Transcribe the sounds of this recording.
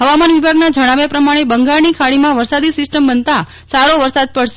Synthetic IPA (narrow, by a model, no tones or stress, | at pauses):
ɦəʋamanʋibʱaɡnad͡ʒəɽ̃aʋjepɾəmaɽ̃ebəŋɡaɭnikʰaɭimãʋəɾsad̪isɪsʈəmbənt̪a | saɾoʋəɾsad̪̚pəɽʃe̥